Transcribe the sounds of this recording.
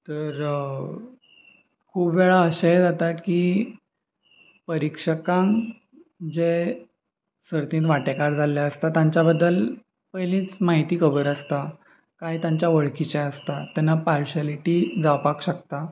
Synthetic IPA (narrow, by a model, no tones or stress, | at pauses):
t̪əɾ | kʰuːbʋeɭaəɕaed͡zat̪at̪ki | pəɾikʂəkãŋ | d͡ʑe | səɾt̪ĩːt̪ʋaʈekaɾd͡zʱaljaəst̪at̪ãɲt͡ɕjabəd̪ːəl | pəjlĩːt͡smaɦit̪iːkʰəbəɾəst̪a | kajt̪jaɲt͡ɕjaʋəɭkit͡ɕaəst̪at̪janːapaɾɕaliʈiːd͡zawpakɕəkt̪a